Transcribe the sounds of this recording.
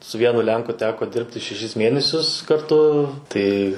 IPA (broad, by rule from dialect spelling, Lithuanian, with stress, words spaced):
sʊ ˈʋʲiɛnʊ ˈlʲɛŋkʊ ˈtʲæːkoː ˈdʲɪrʲpʲtʲɪ ʃʲɛˈʃʲɪs ˈmʲiɛnʲɛsʲʊs kɐrˈtʊ ˈtɐɪ